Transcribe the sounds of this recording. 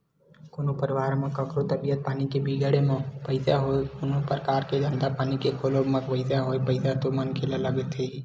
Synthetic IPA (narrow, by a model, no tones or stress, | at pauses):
koːnopəɾɪʋaːɾmẽkəkɾot̪əbijət̪̚paːnikebiɡəɽemẽpəɪsaɦoekonopəɾəkaːɾked͡ʒ̪ə̃nd̪apaːnikekʰoːlomə̃kpəɪsaɦoːepəɪsat̪omənkʰeːlaləɡet̪ʰei